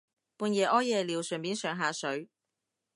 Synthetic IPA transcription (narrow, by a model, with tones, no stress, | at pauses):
puː˧njɛː˨˩ʔɔː˥jɛː˨˧liː˨˧wsœ˨˩mpiː˨˥nsœː˨˩ŋɦaː˨˧sɵ˨˥ɥ